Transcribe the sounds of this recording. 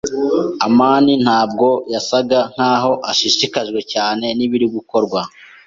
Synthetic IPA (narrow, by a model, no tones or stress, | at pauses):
amaːnin̥haːb̚ɡo̞jasaɡaŋ̥haːɦo̞ʔaʃiʃikaʒɡwe̞caːne̞niβiɾiɡuko̞ɾɡwa